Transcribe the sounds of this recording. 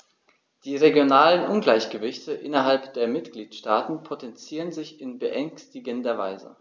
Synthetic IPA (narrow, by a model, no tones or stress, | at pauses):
d̥iːʁeɡjonaːlənʔʊnɡlaɪçɡ̥əvɪçtəʔɪnɐɦalpd̥eːɐmɪtɡ̥liːtʃtaːtn̩pʰotɛnt͡siːʁənzɪçɪnbəʔɛŋstɪɡəndɐvaɪzə̰